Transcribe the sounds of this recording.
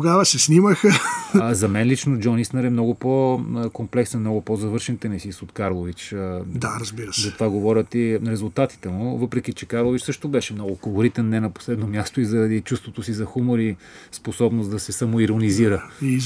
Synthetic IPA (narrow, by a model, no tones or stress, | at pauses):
ɡavəsɛsniməxəzɐmɛnlit͡ʃnod͡ʒɔnisnəɾɛmnɔɡʊpokomplɛksɛnmnɔɡʊpozɐvɤɾʃɛnt̪ɛnisisot̪kaɾlˠovit͡ʃd̪aɾɐzbiɾəszɐt̪ovaɡovɔɾʲət̪iɾɛzʊlˠt̪at̪i̥t̪ɛmuvɤpɾɛk̟it͡ʃɛkaɾlˠovit͡ʃsɤʃt̪obɛʃɛmnɔɡʊkolˠoɾit̪ɛnːɛnɐpo̥slɛd̪nomʲjast̪oizɐɾɐd̪it͡ʃust̪vot̪osizɐxumoɾi | sposɔbnosd̪ɐsɛsamoiɾoniziɾəi